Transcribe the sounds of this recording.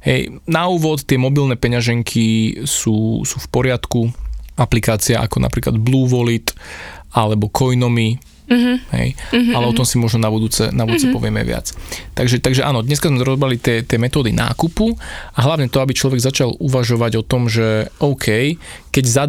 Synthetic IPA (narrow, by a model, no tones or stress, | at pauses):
hɛ̰jnauːʋɔt̪ːɪɛmɔbilnɛːpɛɲaʒɛŋkʰisuːsuːfpɔɾɪat̪kuʔaplikaːt͡siaʔa̰kɔna̰pɾiːkla̰d̪bluːʋɔlit̪ʔalɛbɔkʰɔjnɔmi | ɦɛ̰jalɛɔt̪ɔmsimɔʒnɔnabud̪uːt͡sɛ̰nabud̪ut͡sɛpɔʋɪɛmɛ̰ʋɪa̰t͡st̪aɡʒɛt̪aɡʒɛʔa̰ːnɔd̪ɲɛskazmɛɾɔzɔbɾalit̪ɪɛt̪ɪɛmɛt̪ɔːd̪inʔa̰ːkupuaɦlaʋɲɛt̪ɔabit͡ʃlɔʋɛɡzat͡ʃaluʋaʒɔʋaɟɔt̪ɔmʒɛʔɔʊkʰɛjkɛɟza